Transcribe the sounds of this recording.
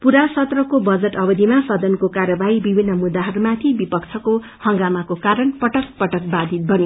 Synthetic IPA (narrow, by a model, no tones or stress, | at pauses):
puɾasʌt̪rʌkobʌd͡zeʈʌbʌd̪ʱimasʌd̪ʌnkokaɾjʌbaɦibibʱinːʌmud̪ːaɦʌɾumat̪ʰibipʌkt͡sʰʌko | hʌŋɡamakokaɾʌnpʌʈʌk̚pʌʈʌk̚bad̪ʱit̪̚bʱʌni